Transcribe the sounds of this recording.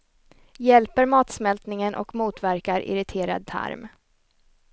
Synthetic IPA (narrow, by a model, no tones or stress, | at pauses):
jɛlpəɾmɑːt̪smɛlt̪nɪŋənʔɔ̰kmuːt̪væɾkaɾʔɪ̰ɾɪt̪ʰeːɾa̰d̪̚t̪ʰa̰ɾm